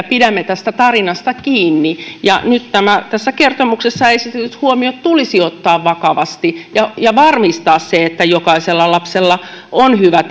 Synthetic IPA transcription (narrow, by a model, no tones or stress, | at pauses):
pidæmːet̪æst̪æt̪ɑrinɑst̪ɑkiːnːijɑnyt̪t̪æmæt̪æsːækert̪omuksesːɑeisit̪eyshuomiot̪t̪ulisiot̪ːɑːʋʋɑkɑʋɑst̪ijɑjɑʋɑrmist̪ɑːsseet̪ːæjokɑiselːɑlɑpselːɑonhyʋæt̪